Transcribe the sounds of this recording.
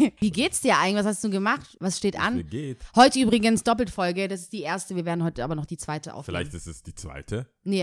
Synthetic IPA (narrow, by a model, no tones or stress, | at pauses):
viːɡeːtsd̥iːɐʔa̰ɪɡŋ̩ɪç̥v̥ashastduːɡəmaχtvasʃteːtʔa̰nɡeːthɔʏtəʔyːbʁɪɡənsd̥ɔp̬l̩tfɔlɡədasɪ̥st̚d̥iːʔeːɐstəviːɐveːɐdn̩hɔʏtəʔa̰ːbɐnɔχd̥iːt͡sv̥aɪtəʔa̰ʊfla̰ɪçtɪstɛsd̥iːt͡sv̥a̰ɪtʰə | nə